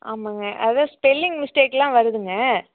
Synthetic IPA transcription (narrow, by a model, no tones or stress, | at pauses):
ʔaːmãːŋɡɐʔɐðãːspɛlːɪŋɡmɪsʈeːklãːʋɐɾɯðɯŋɡɐ